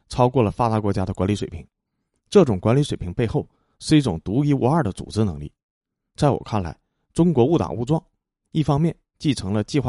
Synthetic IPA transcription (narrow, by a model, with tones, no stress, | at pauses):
ʈ͡ʂʰɑ˥ʊkwɔ˥˩lə˩fa˥t̪a˧˥kwɔ˧˥t͡ɕja˥d̪ə˨kwa˧˥nli˧˥ʂwe˨˩pʰi˧˥ŋ | ʈ͡ʂɤ˥˩ʈ͡ʂʊ˨˩ŋkwa˧˥nli˧˥ʂwe˨˩ɪpʰi˧˥ŋpe˥˧ɪxo˥˩ʊ | ʂɻ̩˥˧i˥˩ʈ͡ʂʊ˨˩ŋt̪u˧˥i˧˥wɔ˧˥a˞˥˩d̪ə˦t͡sṵ˨˩ʈ͡ʂɻ̩˥nɤ˧˥ŋlḭ˥˩ | t͡sa˥˩ɪwɔ̰˨˩kʰa˥˩nla̰˧˥ɪ | ʈ͡ʂʊ˥ŋkwɔ˧˥u˥˩t̪ɑ̰˨˩ŋu˥˧ʈ͡ʂwɑ˥˩ŋ | i˥˩fɑ˥ŋmjɛ˥˧n | t͡ɕi˥˩ʈ͡ʂʰɤ˧˥ŋlə˧t͡ɕi˥˧xwa˥˩